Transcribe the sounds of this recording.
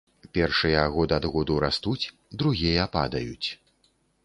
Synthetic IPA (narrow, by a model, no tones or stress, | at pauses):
pʲɛrʂɨjɐɣɔd̪ɨad̪ɣɔd̪uɾast̪ut͡sʲ | d̪ɾuɣʲijɐpa̰d̪ɐjut͡sʲ